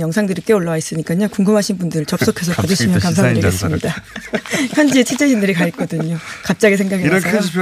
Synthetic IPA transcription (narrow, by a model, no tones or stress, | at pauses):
jʌŋsʰaŋdɯɾik͈e̞oɭːawais͈ɯɲik͈aɲokuŋɡɯmɦaɕʰinbundɯɾɯɭt͡ɕʌp̚s͈okʰe̞s̬ʰʌpad͡ʑɯɕʰimjʌnkams̬ʰadɯɾiɡe̞s͈ɯmɲida | çjʌnd͡ʑiet͡ɕʰet͡ɕ͈eɕʰindɯɾikaik͈ʌdɯɲokap̚t͡ɕ͈aɡis̬ʰe̞ŋɡaɡe